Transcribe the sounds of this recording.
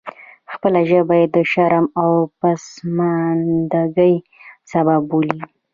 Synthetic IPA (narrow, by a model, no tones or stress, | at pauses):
xpəlaʒəbajed̪ːəʃaɾamawpasmand̪aɡəj | sababːoli